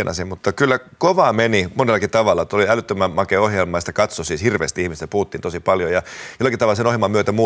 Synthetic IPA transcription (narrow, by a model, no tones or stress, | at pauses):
nɑ̰simmut̪ːɑkylːækoʋɑːmenimonelːɑkit̪ɑʋɑlːɑt̪oliælyt̪ːømæmmɑkeohjelmˑɑjst̪ækɑt̪sosiːshirʋḛːst̪iihmist̪æpuhut̪ːiːnt̪osipɑljojɑjolːˑɑkit̪ɑʋɑlsenohjelmɑmyøt̪æmuː